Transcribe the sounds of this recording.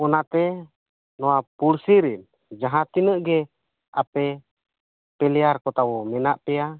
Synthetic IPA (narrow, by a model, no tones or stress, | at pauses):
ɔnat̪e | noapulsiɾin | d͡ʒaɦat̪inəʔɡe | apɛ | pɛlɛarkɔt̪awomɛnaʔpɛa